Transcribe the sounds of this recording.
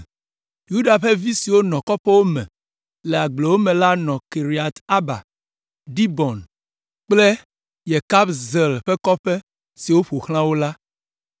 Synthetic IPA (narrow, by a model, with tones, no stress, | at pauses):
ju˦da˨ɸe˦vi˦si˨wo˦nɔ̃˨kɔ˦ɸɛ˦wo˦mɛ̰̃˨ | le˨a˨ɡ͡ble˨wo˦mẽ˨la˦nɔ̃˨ke˨ɾi˨a˨t̪a˦ba̰˨ | ɖi˦bɔ˨n | k͡ple˦ | je˨ka˦bzɛ˨lɸe˦kɔ˦ɸe˦ | si˨wo˦ɸo˨xl̃ã˦wo˦la˦